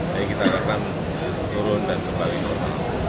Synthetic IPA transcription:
ajakit̪aɾakam | t̪uɾʊndankəmbaliɲamaɦa

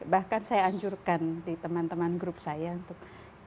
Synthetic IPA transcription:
bahkansajaːɲd͡ʒurkandit̪əmant̪əmanɡɾup̚sajaunt̪ʊk̚

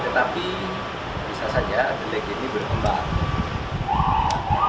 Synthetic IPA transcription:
t̪ət̪api | bisasad͡ʒadəlɛkinibərk̪əmbaŋ

